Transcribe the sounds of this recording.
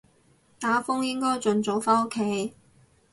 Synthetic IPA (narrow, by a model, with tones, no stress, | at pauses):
t̪aː˨˥fʊ˥ŋjɪ˥ŋkɔː˥jt͡sɵ˨nt͡so˨˥wfaː˥o˥kʰːe˨˥j